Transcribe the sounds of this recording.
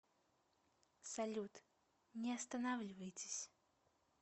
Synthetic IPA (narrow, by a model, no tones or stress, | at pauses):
salʲut̪ | nʲɛɐst̪anawlʲivɐjt͡sʲe̥sʲ